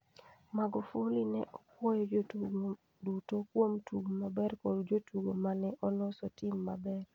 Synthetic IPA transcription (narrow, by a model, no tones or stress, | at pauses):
maɡofulinɛʔɔkwɔjɔd͡ʒ | dutokwomtʰuɡmabɛrkɔdd͡ʒotuɡomanɛʔɔlɔsɔtimːa̰bɛr